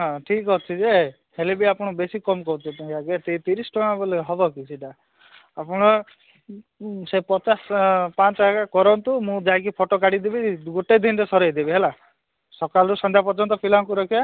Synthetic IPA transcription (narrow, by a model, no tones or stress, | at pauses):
ɦɔ̃ʈʰikɦɔt͡ʃʰid͡ʒe | helebiapɔɽ̃ɔbesikɔmkɔɾut͡ʃʰɔt̪uaɡet̪et̪iɾisʈɔmabɔleɦɔbɔkiseʈaː | pɔɽ̃ɔ | sepɔt͡ʃaspat͡ʃɔɦakakɔɾɔnt̪umũd͡ʒajk̬ipʰoʈokaɽid̪ebiɡoʈed̪inɾesɔɾejd̪ebiɦela | sɔkalɔɾusɔ̃nd̪ʱjapɔɾd͡ʒɔnt̪ɔpʰilaŋkuɾɔkʰia